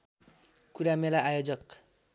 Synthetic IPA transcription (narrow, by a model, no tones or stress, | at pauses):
kuɾamelaʔajod͡zʌk